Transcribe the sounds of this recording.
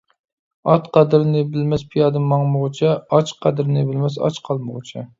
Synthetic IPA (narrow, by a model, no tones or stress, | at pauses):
ɑt̪qɑd̪ɨɾnɪbɪlmɛspʰijɑːd̪ɨmːɑŋmʊʁət͡ʃʰɛɑt͡ʃqʰɑd̪ɨɾnɨbɪlmɛsɑ̰t͡ʃqʰɑlˠmʊʁʊt͡ʃʰɛ